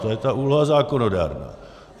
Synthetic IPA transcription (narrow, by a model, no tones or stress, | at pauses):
ɑet̪ːæulhɑsɑːkːonodæ̰rnɑ̰ː